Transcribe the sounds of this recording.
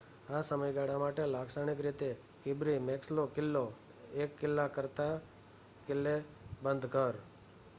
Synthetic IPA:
asəməjɡaɽamaʈelaɡsaɳ̃ikɾit̪e | kɪbɾimekslokɪlːo | ekːɪlːakəɾt̪a | kɪlːe | bənd̪ʱkəɾ

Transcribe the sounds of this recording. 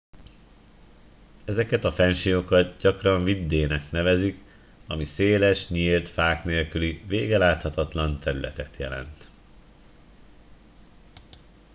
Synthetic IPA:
ɛzɛkɛt̪ɒfɛnʃijo̞kɒd̪ɟɒkrɒɱvid̪ːeːnɛkn̪ɛvɛzik | ɒ̰miseːlɛʃɲiːlt̪faːkneːlkyliveːɡɛlaːt̪hɒt̪ɒt̪lɒnt̪ʰɛɾylɛ̰t̪ɛt̪jɛ̰lɛ̰nt̪

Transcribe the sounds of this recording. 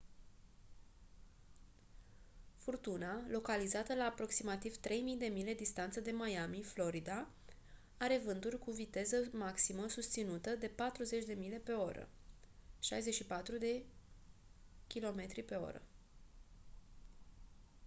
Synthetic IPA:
furt̪unalo̞kalizat̪əlaːpɾo̞ksimat̪ivt̪ɾe̞jmijd̪e̞mile̞d̪ist̪ant̪səd̪e̞majamiflo̞ɾid̪a | aɾe̞vɨnd̪urʲkuvit̪e̞zəmaksiməsust̪sinut̪əd̪e̞pat̪ɾuze̞t͡ʃʲd̪e̞mile̞pe̞o̞ɾə̰ | ʃa̰jze̞t͡ʃʃipat̪ɾud̪e̞ | kʲilo̞me̞t̪ɾipe̞o̞̰ɾə̰

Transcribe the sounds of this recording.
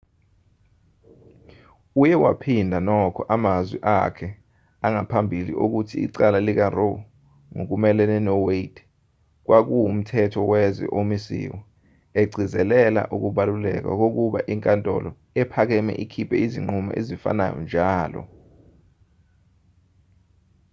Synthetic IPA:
ujɛwa̰pʰindʱanɔkʰɔʔamazwḭʔakʰɛ | aŋapʰambʱilḭʔok̬utʰḭːǀalalik̬aro | ŋok̬umɛlɛnɛnɔweid̥ | k̬wak̬uum̩tʰɛtʰɔwɛzɛ̰ʔomisḭwɔ | eɡ͡ǀʱizɛlɛla̰ʔuk̬uɓalulɛ̰k̬wa̰k̬ok̬uɓa̰ʔiŋkʼantʼɔ̰lɔ | ɛpʰak̬ɛmɛ̰ʔikʰipʰɛiziŋ͡ǃuma̰ʔezifa̰na̰jɔ̰nd͡ʒʱaːlɔ̰

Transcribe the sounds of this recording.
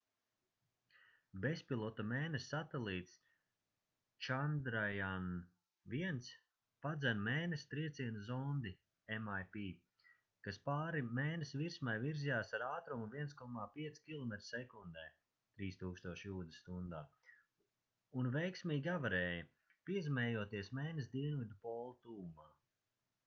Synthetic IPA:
bespilˠɔt̪ameːnesːat̪ɛlˠiːt̪s | t͡ʃand̪ɾajan | viɛnt̪s | pad̪zɛnmeːnest̪ɾiɛt̪siɛnzɔnd̪i | emajpiː | kaspaːɾimeːnesviɾsmajviɾzijaːsaɾaːt̪ɾumuviɛnskɔmaːpiɛt̪skʲilˠɔmɛt̪ɾsɛkund̪ɛː | t̪ɾiːst̪uːkst̪uɔʃjuːd̪est̪und̪aː | unvɛjksmiːɡʲavaɾɛːjɐ | piɛzimɛːjuɔt̪iɛsmɛːnesd̪iɛnvid̪upɔːlˠt̪uːmaː

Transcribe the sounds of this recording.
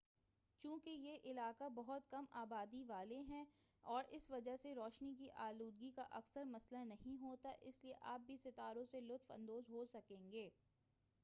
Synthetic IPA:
t͡ʃũːkejeʔɪlaːkabɐɦʊt̪kɐmaːbaːd̪iʋaːleɦɛ̃ːɔːɾɪsʋɐd͡ʒaɦseɾɔːʃnik̬iʔaːluːd̪̚ɡikaʔɐksəɾmɐslanɐɦĩɦoːt̪aʔɪslieʔaːp̚bʱisɪt̪aːɾõselʊt̪fɐ̰̃nd̪oːzɦoːsɐkẽːŋɡeː

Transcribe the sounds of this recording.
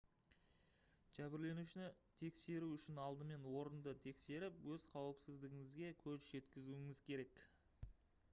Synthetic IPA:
ʒ̥æbɪɾle̞nuʃɪnɪ | t̪ʰe̞kse̞ɾuʏʃɪnɑlˠd̪əme̞nwo̞ɾənd̪ət̪ʰe̞kse̞ɾɪpwɵzqʰɑwəpsɪzd̪ɪɡʲɪŋɪzɡʲe̞kʲʰɵzʒe̞t̪kʲɪzuɪŋɪzkʲʰe̞ɾe̞k

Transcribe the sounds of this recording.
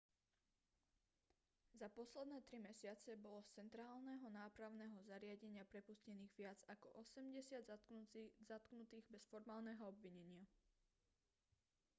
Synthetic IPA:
zapɔslɛd̪nɛːt̪ɾimɛsɪat͡sɛbɔlɔt͡sɛnt̪ɾaːlnɛɦɔnaːpɾaʊnɛɦɔzaɾɪaɟɛɲɪapɾɛpuscɛniːɣʋɪad͡zakɔʔɔsɛmɟɛsɪad̪ | zat̪knut̪iːɣbɛsfɔɾmaːlˠnɛɦɔɔbʋiɲɛɲɪa

